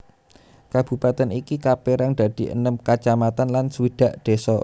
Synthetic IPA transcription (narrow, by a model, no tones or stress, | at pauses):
kab̥ṳpat̪ɛnikikapeɾaŋd̪̥a̤d̪̥i̤ʔə̰nəmkat͡ʃamat̪anlansəwid̪̥a̤ʔd̪̥e̤sɔ